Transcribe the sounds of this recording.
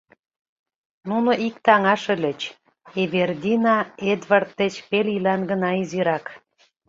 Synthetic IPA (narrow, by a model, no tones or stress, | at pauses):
nunŏʔikt̪ɑŋɑʃə̆lʲə̆t͡ɕ | eβerd̪ʲinɑed̪vɑrt̪ːĕt͡ɕpelʲilɑnɡə̆nɑiziɾɑk